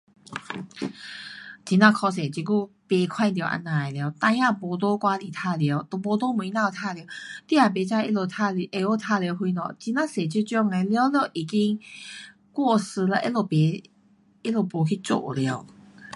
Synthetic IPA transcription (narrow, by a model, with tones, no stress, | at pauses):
t͡ɕi˧˩nã˧kʰɔ˧s̬e˨˩t͡ɕi˧˩ku˥˧˨ | pe˧kʰwa˥˧nt̪̬jo˨˩˨ʔa̰˧nã˧˩e˨lja˧˦t̪ã˧jã˥˧˨bo˧t̪̬o˦kwa˦li˨˩t̪ʰa˧lje˧˦t̪o˨˩bo˧t̪o˦mu˨i˧˦nã˧t̪ʰa˥˧ljt̪i˦˧a˨˩be˨˦t͡ɕa˧i˦lo˧˩t̪ʰa˧lʔe˧˨o˥˦t̪ʰa˥˧lo˧ɦwi˧nɔ̰˨t͡ɕi˧nã˥˧se˨t͡ɕi˧˦t͡ɕɔ˧ŋa˧˩lja˧˦wljo˧˩ʔi˨ki˦ŋ | kwɔ˥˧˨sɨ˧la˧ʔḛ˦lo˧pe˨˦ | e˦lo˨˧˩po˨˩kʰi˦˧t͡so̰˧˨ʔlja˧˦ʊ